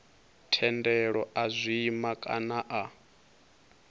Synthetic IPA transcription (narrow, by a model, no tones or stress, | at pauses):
tʰɛndɛɺɔʔazʷiːmakʼa̰naʔa